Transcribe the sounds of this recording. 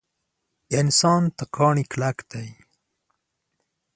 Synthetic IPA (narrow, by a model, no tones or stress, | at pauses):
ɪnsɑːnt̪akʰɑːɳiklakd̪aj